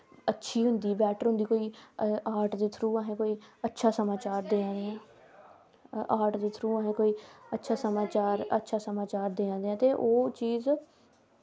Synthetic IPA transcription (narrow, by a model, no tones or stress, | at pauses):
ətːʃʰiːɦʊnd̪iːbɛːʈəɾɦʊ̃nd̪iːkoːiːaːɾʈd̪eːt̪ʰɾuːəɦẽːkoːiːətːʃʰaːsəmaːt͡ʃaːɾd̪eːãːd̪eːɛ̃ː | aːʈd̪eːt̪ʰɾuːəɦẽːkoːiːətːʃʰaːsəmaːt͡ʃaːɾə̰tːʃʰaːsəmaːt͡ʃaːɾd̪eːãːd̪eːɛ̃ːt̪eːʔoːt͡ʃiːz